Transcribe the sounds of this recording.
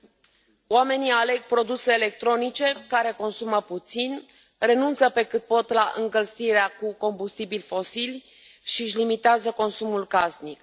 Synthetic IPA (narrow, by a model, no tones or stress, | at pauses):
oame̞niale̞ɡ̚pɾo̞d̪use̞ːle̞k̚t̪ɾo̞nit͡ʃe̞kaɾe̞ko̞nsuməput̪sin | re̞nunt̪səpe̞kɨt̪̚po̞t̪laʔɨ̰ŋkəlsiɾeakuko̞mbust̪ibilʲfo̞silʲ | ʃiʃlimit̪eazəko̞nsumulkasnik